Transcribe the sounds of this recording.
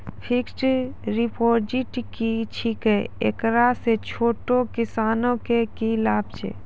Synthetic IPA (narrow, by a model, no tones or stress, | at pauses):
pʰɪksʈɾipoːɾd͡ʒiʈkit͡ʃʰikeḛkɾaset͡ʃʰoːʈokɪsaːnõkekilaːbt͡ʃḛː